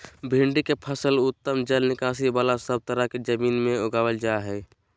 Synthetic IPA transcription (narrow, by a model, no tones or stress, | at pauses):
bʱĩɳɖikepʰəsəlʊt̪ːəmd͡ʒəlnɪkaːs̬ibaːlasəb̚t̪əɾaked͡ʒəmiːnmẽoɡaːwəld͡ʒaɦɛː